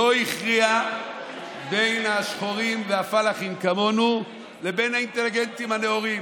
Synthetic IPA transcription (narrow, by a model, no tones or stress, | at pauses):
oiχʁia | be̞jnhaʃχoʁimveafalaχimkamo̞nu | lebe̞jnhainte̞liɡent̪imhaneoʁim